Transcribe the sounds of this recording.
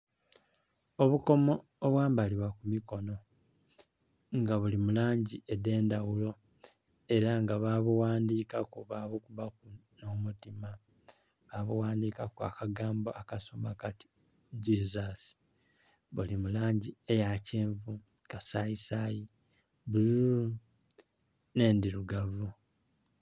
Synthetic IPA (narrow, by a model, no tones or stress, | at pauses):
o̞βuko̞mo̞ːβwaːmbaliβwakumiko̞no̞ | ŋɡaβulimulaːɲɟiede̞ːndawulo̞ | e̞ɾaŋɡaβaβuwaːndiːkakuβaβokuβakuno̞mutima | βaβuwaːndiːkakwa̰ːkaɡaːmboʔakasomakati̥ | dizasi̥ | βulimulaːɲɟie̞jaceːɱvu | kasaisaji | bulu | ne̞ːndiɾuɡavu